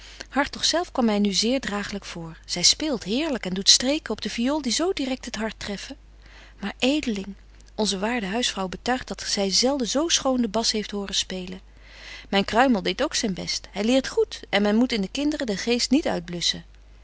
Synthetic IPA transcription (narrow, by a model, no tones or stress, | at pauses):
hɑɹtɔχsɛlˠfkʋɑmːɛjnyzɪːɹdraːχələkfʊːɹz̥ɛjspɪːlˠtɦɪːɹləkɛndutstrejkəɔb̚dəfioːlˠdizowdirɛk̚tɦətɦɑɹtːrɛfə | maːɹʔejdəlɪŋ | ʔɔnzəʋaːɹdəɦœɥsfrɑwbətœɥχtdɑtz̥ɛjzɛlˠdəzowsχowndəbɑsɦejftɦʊːrəspejlə | mɛjnkrœɥməlˠdejtowksɛjnbɛ̰stɦɛjlɪːɹtχutɛnmɛnmutɪndəkɪndərədəχejstnitœ̰ɥd̚blɵsə